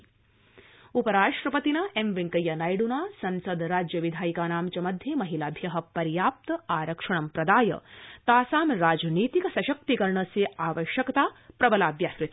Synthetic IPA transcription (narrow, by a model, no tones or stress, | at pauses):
upɐɾaːʂʈɾɐpɐt̪inaːʔemʋiŋkɐjɐnajɽunaːsɐnsɐd̪ɾaːd͡ʒjɐʋid̪ʱaːjikaːnaːmt͡ʃɐmɐd̪ʱjemɐɦilaːbʱjɐɦɐ̆pɐɾjaːp̚t̪ɐaːɾɐkʂɐɳ̃ɐmpɾɐd̪aːjɐ̰t̪aːsaːmɾaːd͡ʒniːt̪ikɐsɐʃɐk̚t̪ikɐɾɳɐseaːʋɐʃjɐkɐt̪aːpɾɐbɐlaːbjaːskɾɪt̪